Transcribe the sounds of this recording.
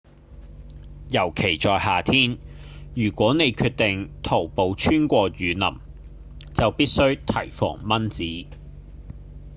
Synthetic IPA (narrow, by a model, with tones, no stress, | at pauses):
jɐ˨˩wkʰe˨˩jt͡ʃɔː˨˧jhaː˨t̪ʰiː˥njyː˨˩kʷɔː˨˥ne˨˧jkʰyː˧t̚t̪ɪ˨ŋt̪ʰo˨˩wpo˨˧wt͡ʃʰyː˥nkʷɔː˧ɥyː˨˧nɐ̰˨˩m | t͡sɐ˨wpiː˥t̚sɵ˥ɥt̪ʰɐ˨˩jfɔ̰ː˨˩ŋmɐ˥nt͡siː˨˥